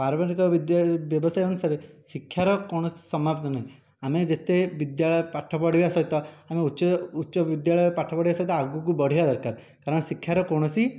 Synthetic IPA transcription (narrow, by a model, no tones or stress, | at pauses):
paɾbaɾikɔʋid̪bjɔbɔsajeoñusaɾe | sikʰːjaɾɔkoɽ̃ɔsi̥sɔmapt̪ɔnaɦĩ | amed͡ʒet̪eʋid̪jaɭɔjɔpaʈʰɔpɔɽ̤iasɔjt̪ɔameuʃɔutːʃɔʋid̪jaɭɔjpaʈʰɔpɔɽiʋasɔjt̪ɔaɡukubɔɽ̤iad̪ɔɾkaɾ | kaɾɔɳ̃sikʰːjaɾɔkoɽ̃ɔsi